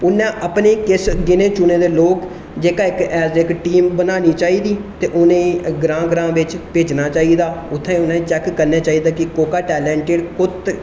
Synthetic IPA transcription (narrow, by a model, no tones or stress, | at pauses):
ʊnːẽːʔəpneːkɪsɡɪnẽːt͡ʃʊnẽːd̪eːloːk | d͡ʒeːkaːɪkɛːsɪkʈiːmbənaːniːt͡ʃaːiːd̪iːt̪eːʔʊnẽːɡɾãːɡɾãːʋɪt͡ʃpeːd͡ʒnaːt͡ʃaːiːd̪aːʊt̪ʰːãːʊnãːeːt͡ʃɛkːəɾneːt͡ʃaːiːd̪aːkɪkoːkaːʈɛːlɛːɳʈeːɖkʊt̪